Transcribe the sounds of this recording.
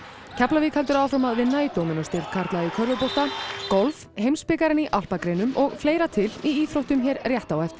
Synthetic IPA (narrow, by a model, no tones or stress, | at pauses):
cʰaplaviːkhalt̪ʏɾaːwfɾamaðvɪðnaːjt̪owmɪnɔst̪ɪɾt̪kʰaɾ̥t̪laðikʰœɾðʏpowt̪akɔlv | hejmspɪkaɾɪniʔal̥pakɾejnʏmʔɔɣfleːjɾat̪ʰɪliiːθɾowht̪ʏmçɛːɾrjɛht̪awɛft̪